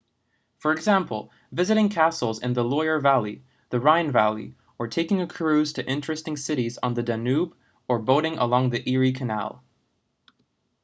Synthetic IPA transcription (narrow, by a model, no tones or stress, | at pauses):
fə˞ɨɡzæ̃mpʰl̩ˠ | vɪzɨɾɪ̃ŋkʰæsl̩ˠzɨ̰̃nðəlɔɪə˞vælˠi | ðɨɹãɪ̃nvælˠḭ | ə˞tʰeɪkɪ̃ŋɨkʰɹ̥ʉz̥tʰɨʔɪ̃nt͡ʃɹ̥ɨstɪ̃ŋsɪɾizn̩ðɨdɨnʉb | ə˞boʊɾɪ̃ŋʔə̰lɔ̃ŋðiʔiɹikʰɨnæ̰lˠ